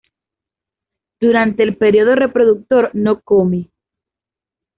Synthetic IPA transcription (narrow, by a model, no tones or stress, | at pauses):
d̪̥uɾant̪e̞ːlpe̞ɾjo̞ðo̞re̞pɾo̞ðuk̚t̪o̞ɾno̞komi